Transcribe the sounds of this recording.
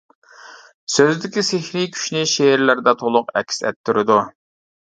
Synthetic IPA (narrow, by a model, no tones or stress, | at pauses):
søzd̪ɪkʲisehɾikʲʰy̥ʃnɪʃeɾlæɾd̪ɛt̪ʰolˠʊqɛ̰kʲsɛ̰t̪ʰːyɾɪd̪u